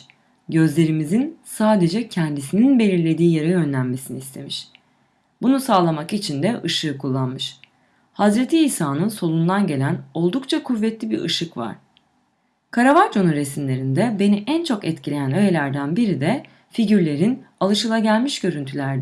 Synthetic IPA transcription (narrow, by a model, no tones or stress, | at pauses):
ɟø̞zlʲe̞ɾimizinsaːd̪e̞d͡ʒɛcʰɛnd̪isininbe̞lʲiɾlʲe̞d̪iːjaɾɯø̞nlʲænme̞siniːst̪ʰe̞miʃ | bunusaːlˠamakit͡ʃʰind̪ɛʔɯʃɯːkʰulˠːanmɯʃ | hazɾet̪ʰiːsaːnɯnso̞lˠund̪anɟe̞lʲæno̞lˠd̪ukt͡ʃʰakʰuvːɛt̪lʲibiɾʔɯ̰ʃɯkva̰ɾ̥ | kʰaɾavaɾt͡ʃʰo̞nunɾesimlʲe̞ɾind̪ɛbe̞niʔɛnt͡ʃʰo̞kɛt̪cʰilʲe̞jænø̞je̞lʲæɾd̪ænbiɾid̪ɛ | fiɟyɾlʲe̞ɾinalˠɯʃɯlˠaɟælʲmiʃɟ̥ø̞ɾynt̪ʰylʲæɾd̪ɛ